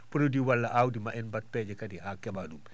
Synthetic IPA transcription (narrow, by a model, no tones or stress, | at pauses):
pəɾodiwalːaʔawdimaʔɛnbat̚pɛd͡ʒɛkadihakɛbadum